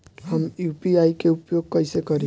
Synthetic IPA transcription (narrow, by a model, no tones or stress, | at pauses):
həmjupiaikeupjoɡ̚kʌjsekʌɾĩ